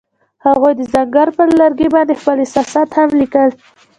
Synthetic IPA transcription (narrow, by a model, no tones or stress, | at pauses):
haɣujd̪əzaŋɡaɾpəlaɾɡebɑnd̪expəlɪsɑsat̪hamlikəl